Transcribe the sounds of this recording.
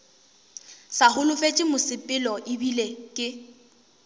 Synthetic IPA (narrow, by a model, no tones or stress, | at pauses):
sahʊlʊfet͡ʃʼɪmʊsɪpʼɪlɔʔɪbilekʼɪ